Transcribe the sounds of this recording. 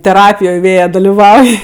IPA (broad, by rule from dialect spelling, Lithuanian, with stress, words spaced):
tʲɛˈrɑːpʲɪjoːj ˈʋʲeːjɛ dɐlʲɪˈʋɐʊj